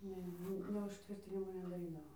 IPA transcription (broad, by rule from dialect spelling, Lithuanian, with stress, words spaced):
ˈnʲɛ ˈnʲɛ ʊʃʲˈtʲʋʲɪrʲtʲɪnʲɪmoː nʲɛdɐˈrʲiːdɐʋoː